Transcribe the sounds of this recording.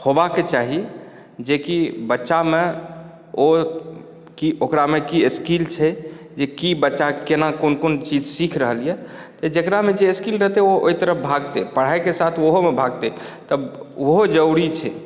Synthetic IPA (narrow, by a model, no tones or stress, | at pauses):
hobaket͡ʃaɦi | d͡ʒekibətːʃame | o | kiokɾamekieskilt͡ʃʰɛ | d͡ʒekibətːʃakenakonkont͡ʃid͡ʒsikʰɾəɦəlije | t̪əd͡ʒekɾamed͡ʒeeskilɾəɦt̪eoo̰it̪əɾəp̚bʱaɡt̪epəɽ̤aekesat̪ʰoɦomebʱaɡt̪et̪əboɦod͡ʒəuɽit͡ʃʰɛ